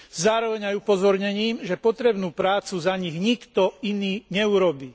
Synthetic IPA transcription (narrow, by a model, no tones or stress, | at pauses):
zaːɾɔʋɛɲajupɔzɔɾɲɛɲiːmʒɛpɔt̪ɾɛbnuːpɾaːt͡suzaɲiɣɲikt̪ɔiniːɲɛuɾɔbiː